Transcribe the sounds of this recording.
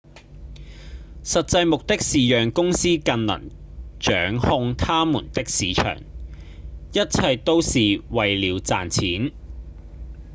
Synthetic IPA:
sɐ˨t̚t͡sɐ˧jmʊ˨k̚t̪ɪ˥ksiː˨˩jœː˨ŋkʊ˥ŋsiː˥kɐ˧nlɐ̰˨˩n | t͡ʃœː˨˥ŋhʊ˧ŋt̪ʰaː˥mṵː˨˩nt̪ɪ˥k̚siː˨˥t͡ʃʰœ̰ː˨˩ŋ | jɐ˥t̚t͡sʰɐ˧jt̪o˥wsiː˨wɐ˨jliː˨˧wt͡saː˨nt͡sʰiː˨˥n

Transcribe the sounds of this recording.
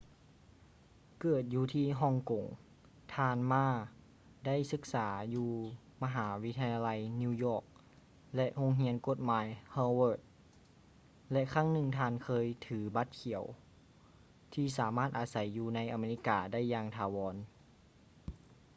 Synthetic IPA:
kɤː˨˩t̪̚juː˧t̪ʰiː˧˩ɦɔ˧˥˨ŋko˨˩ŋ | t̪ʰaː˧nmaː˧˥˩ | da˥˩˨jsɯ˧˦k̚saː˩˦juː˧ | ma˧ɦaː˩˦wi˦˥t̪ʰa˧ja˧la˧jni˧jɔː˧˩k̚ | lɛ˧ʔho˧˥ŋɦi˧˥ənko˧˥t̪̚maː˨˦jhaː˧wɤː˧˩t̪̚ | lɛ˧ʔkʰaː˧˥˩ŋnɯ˧ŋt̪ʰaː˧˨nkʰɤː˧jt̪ʰɯː˩˦ba˧˦t̪̚kʰi˨˩˦əw | t̪ʰiː˧˩s̬aː˨˦maː˥˩t̪̚ʔaː˨˧˦sa˨˦jːuː˧˩na˧˥jʔa˧meː˧˩i˧˥kaː˨˧da˥˨jːaː˧ŋt̪ʰaː˨˧˦wɔː˧˦n

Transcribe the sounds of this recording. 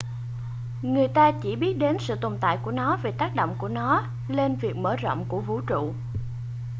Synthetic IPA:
ŋɨ˨˩əjt̪aː˧t͡ɕi˧˩ɓi˦˥ət̚ɗe˨˦nsɨ̰˧˨t̪o˨˩nt̪a̰ː˧˨jku˧˩ənɔ˨˦ve˨˩t̪aː˦˥k̚ɗo̰˧˨wŋ͡mku˧˩ənɔ˨˦ | le˧nvi˨˩ək̚məː˧˩zɔ̰˧˨wŋ͡mku˧˩əvu˨˦t͡ɕṵ˧˨

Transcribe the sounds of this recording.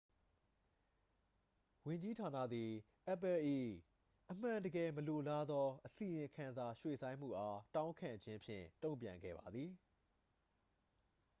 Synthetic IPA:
wɪ̃˨ɲd͡ʑi˦tʰa˨nä̰˦˨d̪ði˨ | ʔɛ˦˨pɛ˨ʔḭ˦˨ | ʔəm̥ã˨ndəɡɛ˨məlo˨la˦d̪ɔ˦ʔəsi˨jɪ̃˨kʰã˨nza˨ʃwḛ˦˨sʰã˦ɪ̃m̥ṵ˦˨ʔa˦tã˦ʊ̃ŋkʰã̰˨ɲd͡ʑɪ̃˦mpʰjɪ̰̃˦˨tõ˦˨mpjã̰˨ŋɡɛ̰˦˨ba˨d̪ði˨

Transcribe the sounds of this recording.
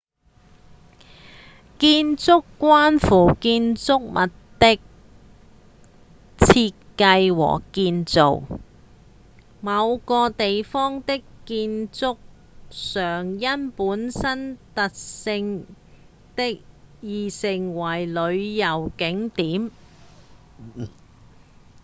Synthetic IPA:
kiː˧nt͡sʊ˥kːʷwaː˥nfuː˨˩kiː˧nt͡sʊ˥k̚mʔɐ˨tt̪ɪ˥k̚ | t͡sʰiː˧t̚kɐ˧jwɔ̰ː˨˩kiː˧nt͡so̰˨w | mɐ˨˧wkɔː˧t̪e˨jfɔː˥ŋt̪ɪ˥kːiː˧nt͡sʊ˥k̚ | sœː˨˩ŋjɐ˥npuː˨˥nsɐ˥nt̪ɐ˨k̚sɪ˧ŋ | t̪ɪ˥k̚jiː˨sɪ˨˩ŋwɐ˨˩jlɵ˨˧ɥjɐ˨˩wkɪ˨˥ŋt̪iː˨˥m

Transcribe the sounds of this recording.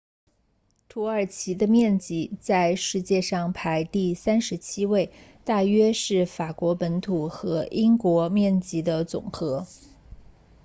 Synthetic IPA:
t̪ʰu˧˥ə˞˨˩t͡ɕʰi˧˥d̪ə˧mjɛ˥˩nt͡ɕi˧˥t͡sa˥˧ɪʂɻ̩˥˧t͡ɕjɛ˥˧ʂɑ˥˩ŋpʰa˧˥ɪt̪i˥˩sa˥nʂɻ̩˧˥t͡ɕʰi˥we˥˧ɪt̪a˥˩ɥɛ˥ʂɻ̩˥˩fa˨˩kwɔ˧˥pə˧˥nt̪ʰu˨˩xɤ˧˥ʔi˥ŋkwɔ˧˥mjɛ˥˩nt͡ɕi˧˥d̪ə˧t͡sʊ̰˨˩ŋxɤ˧˥

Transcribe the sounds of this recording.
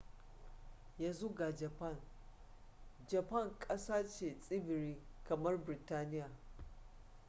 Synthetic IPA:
jaː˦zu˦ɡaː˨d͡ʒɐ˨pɐ˦˨n | d͡ʒɐ˨pɐ˦˨ŋkʼɐ˦saː˦t͡ʃeː˨sʼɪ˦bɪ˨ɾiː˦kɐ˨mɐ˦rbɪ˨taː˦nɪ˦jaː˨

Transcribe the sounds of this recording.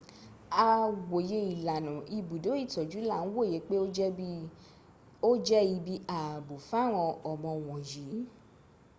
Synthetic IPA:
a˧wo˨je˧i˨la˨nã˨i˧˨bu˨do˨˦i˦˨tɔ˨d͡ʒu˨˦la˦˨n̩˦wo˦˨je˨˦k͡pe˦ | o˦d͡ʒɛ˦i˧bi˦a˨bo˨fa˦˨w̃ɔ̃˧ɔ˨mɔ̃˧˨w̃ɔ̃˨ji˨˦

